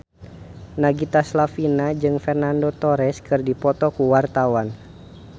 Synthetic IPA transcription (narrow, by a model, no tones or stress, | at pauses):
naɡit̪aslafinad͡ʒɨŋfɛrnandot̪ɔɾɛskɨrdipɔt̪ɔkuwart̪awan